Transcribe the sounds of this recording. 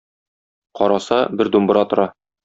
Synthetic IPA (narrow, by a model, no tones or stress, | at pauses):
qɒɾɑsɑbɘɾd̪umbɤ̆ɾɑt̪ŏɾɑ